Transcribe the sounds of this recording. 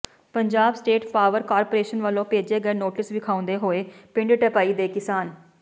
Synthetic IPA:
pəɲd͡ʒaːbsʈeːʈpaːʋəɾkaːɾpoːɾeːʃənʋəlːõːpeːd͡ʒeːɡəeːnoːʈɪsʋɪkʰaːʊ̃nd̪eːɦoːeːpɪ̃ɳɖʈəpaːiːd̪eːkɪsaːn

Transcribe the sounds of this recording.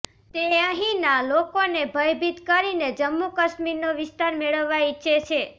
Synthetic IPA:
t̪eəɦĩnalokonebʱəjbit̪kəɾined͡ʒəmːukəʃmiɾnoʋɪst̪aɾmeɭəʋːaiʃʰet͡ʃʰe

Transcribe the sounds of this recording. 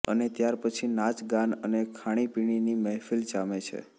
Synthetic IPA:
ə̰net̪jaɾpət͡ʃʰinat͡ʃɡanənekʰaɽ̃ipiɽ̃inimɛɦfilt͡ʃamet͡ʃʰḛ

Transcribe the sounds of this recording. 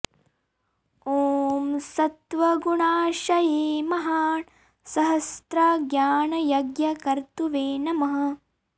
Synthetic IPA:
oːmsɐt̪ʋɐɡuɳaːʃɐjeːmɐɦaː | sɐɦɐst̪ɾɐɡjaːɳɐjɐɡjɐkɐɾt̪uʋeːnɐmɐɦɐ̆

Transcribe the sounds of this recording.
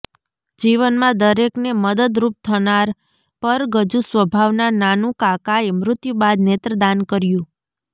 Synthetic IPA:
d͡ʒiʋənmãd̪əɾekneməd̪əd̪ɾup̚t̪ʰənaɾ | pəɾɡəd͡ʒũsʋəbʱaʋnananũkakaemɾʊt̪jũbad̪net̪ɾəd̪ankəɾjũ

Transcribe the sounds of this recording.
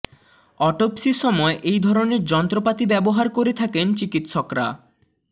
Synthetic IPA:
ɔʈopsiɾʃɔmɔeʔejd̪ʱɔɾoneɾd͡ʑɔnt̪ɾopat̪ibɛboɦaɾkoɾet̪ʰakent͡ɕikit̪ʃokɾa̰

